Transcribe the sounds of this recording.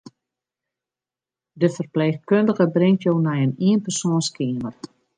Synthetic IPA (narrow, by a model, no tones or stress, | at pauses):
dəfərpleːxkøndəɣəbrɪŋtjoːnɛjəniənpərsoːnskʰiːmər